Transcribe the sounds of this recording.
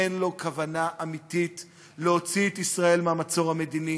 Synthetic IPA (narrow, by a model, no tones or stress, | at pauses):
enlo̞kavanaʔamit̪it | leo̞t͡siet̪isʁae̞lmeamat͡so̞ʁhame̞d̪ini